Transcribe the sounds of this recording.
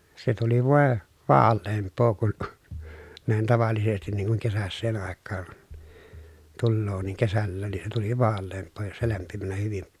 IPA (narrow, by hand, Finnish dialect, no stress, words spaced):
se tuli ʋoˑe ʋɑːlːeːmpˑoː kun næin tɑʋɑlːisestin niːŋ kuŋ kesæsːeːn ɑˑekːɑːn tulːoː niːŋ kesælːæːn ni se tuli ʋɑːlːeːmpˑoː jos se læmpimænæ hyʋim